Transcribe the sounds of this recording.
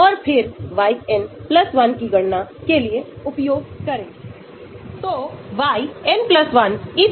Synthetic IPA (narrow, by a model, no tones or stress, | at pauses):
ɔːɾpʰɪɾʋaːienpləsʋɐnkiɡəɽnakelieʊpjoːɡ̚kəɾe | t̪oʋaːienpləsʋɐni